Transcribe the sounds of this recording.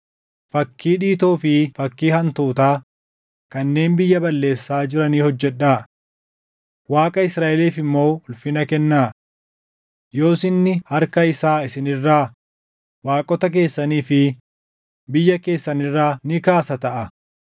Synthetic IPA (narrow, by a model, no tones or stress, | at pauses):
fɐkːiːᶑiːt̪oːfɪfɐkːiːhɐnt̪uːt̪aː | kɐnːe̞ːnbɪjːɐbɐlːe̞ːsːaːd͡ʒɪɾɐniːhɔd͡ʒːɛᶑaː | waːkʼɐɪsɾaːʔɛliːfɪmːo̞ːʊlfɪnɐkɛnːaː | jo̞ːsɪnːɪhɐɾkɐɪsaːɪsɪnɪrːaː | waːkʼɔt̪ɐk̬e̞ːsːɐniːfɪ | bɪjːɐke̞ːsːɐnɪrːaːnɪkaːsɐt̪ɐʔɐ